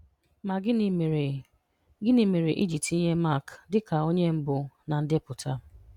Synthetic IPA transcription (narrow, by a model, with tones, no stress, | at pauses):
ma˨ɡɪ˦n˨m˨ɾe˨ | ɡɪ˦ni˨me˨ɾe˨ʔi˦d͡ʒi˨pti˦ɲe˦ma˦˨kdɪ˦ka˨o˦ɲe˦m̩˦bʊ˨na˨n̩˦dɪ˦pʊ˨tʰa˦